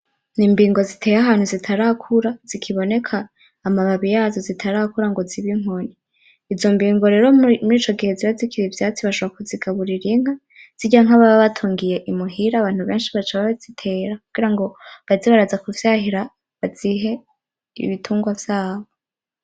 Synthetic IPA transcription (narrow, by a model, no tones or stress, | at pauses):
niːmbiːŋɡo̞zitʰe̞ːjaɦaːnhuzitʰaɾakʰuɾaz̥ikʰiβo̞ne̞kʰaː | maβaβijazozitʰaɾaːkuɾaŋɡo̞ziβiŋ̥o̞ni | izo̞mbiːŋɡoɾe̞ɾo̞muɾiːt͡ʃo̞ɡiheziβazikʰiɾivjaːt͡siβaʃoβoɾakuziɡaβuɾiɾiŋ̥a | z̥iɟaaŋ̥aβaβaβatʰuːŋɡije̞ʔimuɦiɾaːβaːn̥huβe̞ːnʃiβat͡ʃaβaβezitʰe̞ːɾakuɡ̥iɾaŋɡo̞βaziβaɾazakuvjaɦiɾa | βaziɦe̞ | ḭβitʰuːŋɡwavjaːβo